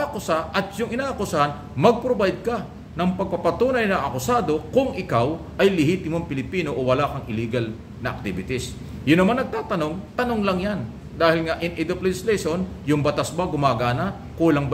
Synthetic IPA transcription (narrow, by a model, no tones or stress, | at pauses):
kʊsaʔɐt̪jʊŋɪnaːʔɐkʊsahan | mɐɡ̚pɾobajd̪̚kɐ | nɐŋpɐɡ̚pɐpɐt̪uːnɐjnɐʔɐkʊsaːd̪o̞kʊŋʔɪkaw | ʔɐjlɪhiːt̪ɪmoŋpɪlɪpiːno̞ʔowɐlaːkɐŋɪliːɡɐl | nɐʔɐ̰k̚t̪ɪbɪt̪ɪs | jʊnːɐmanːɐɡ̚t̪aːt̪ɐno̞ŋt̪ɐnoŋlɐŋjan | d̪aːhɪlŋɐʔɪnʔɛd̪oplɛd͡ʒɪslɛjʃon | jʊŋbɐt̪asbɐɡʊmaːɡaːnɐ | kuːlɐŋb